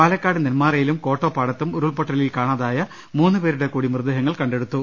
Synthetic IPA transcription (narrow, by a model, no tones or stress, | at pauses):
paːlɐkːaːɽɨnilmaːrɐjilumko̞ːʈːo̞ːpaːɽɐt̪ːumuɾuɭpoʈːɐlilkaːɳaðaːjɐ | muːnːɨpeːɾuɽe̞kuːɽimrɨd̪ːɐɦɐŋːɐɭkɐɳɖe̞ɽut̪ːu